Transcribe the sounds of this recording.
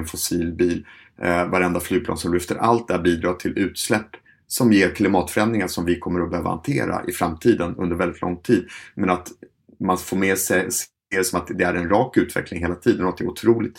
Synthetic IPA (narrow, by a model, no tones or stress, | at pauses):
nfʊsiːlbiːl | vaɾɛnd̪aflyːɡ̚plɑ̰ːnsɔmlʏft̪əɾʔalt̪̚d̪æɾbiːd̪ɾɑːt̪ʰɪlʉ̟ːt̪slɛpː | sɔmjeːɾkʰlɪmɑːt̪fœɾɛnd̪ɾɪŋaʂɔmvɪkʰɔmːəɾɔbɛhøːva̰ha̰nt̪ʰḛːɾa̰ʔɪfɾa̰mt̪ʰiːd̪ənɵ̰nd̪əɾvɛlɪt̪lɔ̰ŋt̪ʰiːd̪mɛnat̪ | manfoːmeːsɛs | eːsɔmat̪d̪ɛæɾɛnɾɑːkʉ̟ːt̪vɛ̰klɪŋɦeːlat̪ʰiːd̪ənɔat̪̚d̪ɛɾʊt̪ʰɾuːlɪk̚t̪